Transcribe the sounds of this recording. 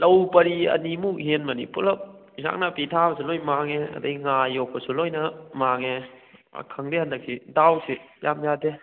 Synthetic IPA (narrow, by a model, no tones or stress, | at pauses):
lɐwpɐɾiɐ̰nimuk̚ɦenmɐnḭpulɐp̚ | za̰k̚napitʰabɐsulojmaŋeɐ̰dɐjŋajɔk̚pɐsulojnɐmaŋḛ | kʰɐŋdehandɐkʰːidawsijamjade